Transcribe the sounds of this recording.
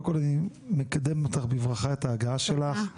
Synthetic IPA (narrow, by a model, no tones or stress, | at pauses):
ko̞lani | mekad̪e̞mot̪aχbivʁaχaetaːɡaaʃe̞laχ